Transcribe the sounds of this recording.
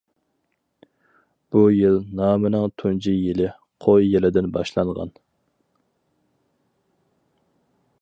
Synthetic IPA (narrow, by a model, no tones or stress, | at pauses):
b̥ujilˠnɑːmɪnɪŋt̪ʰund͡ʒijilɪ | qʰojjɛlɪd̪ɪnbɑ̰ʃlˠɑŋʁɑ̰n